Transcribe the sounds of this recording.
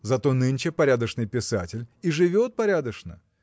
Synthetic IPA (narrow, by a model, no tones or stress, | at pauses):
zɐt̪o̞nɨnʲt͡ɕɪpɐɾʲad̪əʂnɨjpʲɪsa̰tʲɪlʲiʐɨvʲo̞t̪̚pɐɾʲad̪əʂnə̰